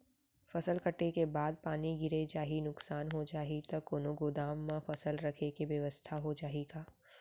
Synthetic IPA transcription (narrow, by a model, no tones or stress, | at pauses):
fɐsəlkɐʈekebaːd̪̚paːniɡɪɾed͡ʒaːɦinʊksaːnɦod͡ʒaːɦit̪ɐkoːnoɡod̪aːmːãfɐsəlɾɐkʰekiʋjəʋəst̪ʰaɦod͡ʒaːɦeɡaː